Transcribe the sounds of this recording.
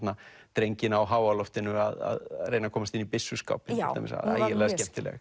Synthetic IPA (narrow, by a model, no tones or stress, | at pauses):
t̪na | t̪ɾejɲcɪnawɦaːwalɔft̪ɪnʏaða̰ðreːjnakʰɔːmast̪ɪnipɪsːʏska̰wpɪnʰɪa̰mɪ̰sa̰a̰jjɪlɛːðascɛm̥t̪ɪlɛ̰ɣ